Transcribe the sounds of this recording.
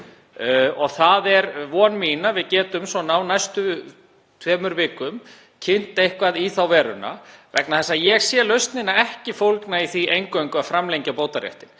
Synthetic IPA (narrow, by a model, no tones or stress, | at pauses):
ɔɣθaðɛɾvɔːnmiːnavɪðcɛːt̪ʏmsɔnawnajst̪ʏ | t̪ʰvɛːmʏɾvɪːkʏm | cʰɪn̥t̪ejhkvaðiθawvɛːɾʏna̰vɛ̰knaθɛsːajɛɣsjɛːlœɥst̪nɪnaɛhcɪfowlknaiθiʔejŋkœɥŋkʏaðfɾamlejɲcapoːwt̪aɾjɛ̰ht̪ɪn